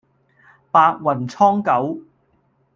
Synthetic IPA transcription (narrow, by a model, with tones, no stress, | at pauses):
paː˧t̚wɐ˨˩nt͡sʰɔː˥ŋkɐ˨˥w